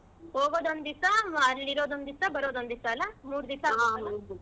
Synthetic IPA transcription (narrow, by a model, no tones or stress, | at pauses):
hoːɡoːd̪ond̪isɐɾliɾoːd̪ond̪isɐbɐɾoːd̪ond̪isɐlɐmuːɾud̪isa